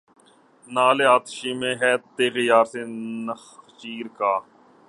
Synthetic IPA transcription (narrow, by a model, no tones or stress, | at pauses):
naːleːaːt̪ʃiːmẽːɦɛːt̪eːɣɪjaːɾseːnəxt͡ʃiːɾkaː